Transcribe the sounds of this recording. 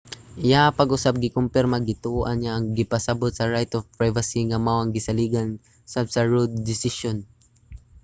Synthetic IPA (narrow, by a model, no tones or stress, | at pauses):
ʔɪjapɐɡʔʊsab̚ɡɪkʊmpɪɾmɐɡɪt̪oʔɐnaʔɐŋɡɪpɐsɐbot̪̚sɐɹajt̪ɔfpɹajvɐsiŋɐmawɐŋɡɪsɐliːɡɐn | sab̚sɐɹud̪̚ːɪsɪʃon